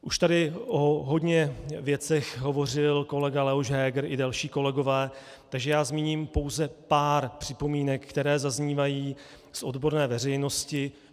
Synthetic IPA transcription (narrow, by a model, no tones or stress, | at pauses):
ʔuʃt̪adɪʔoɦo̞dɲɛvjɛt͡sɛxɦo̞vo̞r̝ɪlko̞lɛɡalɛɦoʒɦɛːɡɾɪdalʃiːko̞lɛɡo̞vɛː | t̪aɡʒɛjaːzmiːɲiːmpo̞wzɛpaːɾpr̝̥ɪpo̞miːnɛkːt̪ɛɾɛːzazɲiːvajiː | sʔo̞dbo̞ɾnɛːvɛrɛjno̞scɪ